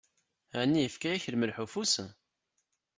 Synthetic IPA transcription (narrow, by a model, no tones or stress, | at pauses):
ænːijəfkæjæçələməlħufusə